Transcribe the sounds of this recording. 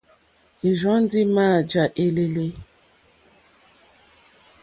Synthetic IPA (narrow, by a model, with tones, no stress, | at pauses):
e˨ʒɔ˦n̩˦dɪ˦ma˦˨d͡ʒa˨ʔe˦le˦le˦